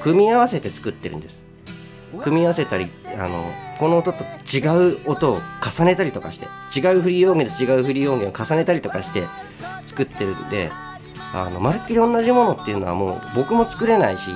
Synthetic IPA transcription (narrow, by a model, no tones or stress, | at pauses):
kɯ̟mʲiaβase̞t̪e̞t͡sɨ̥kɯ̟t̪ːe̞ɾɯ̟̰̃nd̪esɨ̥ | kɯ̟mʲiaβase̞t̪aɾʲia̰no̞̰ko̞noːt̪o̞t̪ːot͡ɕiɡaɯ̟ot̪o̞ːkasane̞t̪aɾʲit̪o̞kaɕi̥t̪e̞t͡ɕiɡaɯ̟ɸɯ̟ɾʲio̞ːɡed̪et͡ɕiɡaɯ̟ɸɯ̟ɾʲijo̞ːɡẽokasane̞t̪aɾʲit̪o̞kaɕi̥t̪e̞ | t͡sɨ̥kɯ̟t̪ːe̞ɾɯ̟nd̪e̞̰ | a̰no̞̰maɾɯ̟kʲːiɾʲiõ̞nːaʑimo̞no̞t̪ːe̞iɯ̟no̞βa̰mo̞̰ːbo̞kɯ̟mo̞t͡sɨ̥kɯ̟ɾe̞naiɕḭ